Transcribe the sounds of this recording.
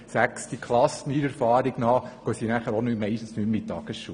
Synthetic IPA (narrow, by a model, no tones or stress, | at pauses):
sækstikʰlɑsəniɾɛɾfɑːɾɪɡ̥nɑːkœsinæχəɾonymɛɪʃtn̩snymmit̚tɑːɡ̥əsʃuː